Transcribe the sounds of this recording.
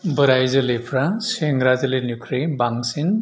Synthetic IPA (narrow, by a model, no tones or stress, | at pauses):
bəɾajzɯlepʰɾaseŋɡɾazəlenjukʰɾibaŋsin